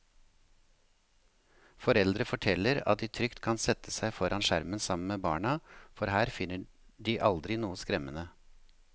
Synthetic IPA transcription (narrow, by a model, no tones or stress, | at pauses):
fɔɾɛld̪ɾəfɔʈʰɛləɾɑ̰t̪̚d̪iːt̪ʰɾʏkt̪kʰɑnsɛt̪ʰəsæɪfɔɾʔɑnʃæɾmənsɑmən̩meːbɑ̰ːɳɑfɔɾhæːɾfɪnə | ɖiːʔɑld̪ɾɪnuːəskɾɛmənə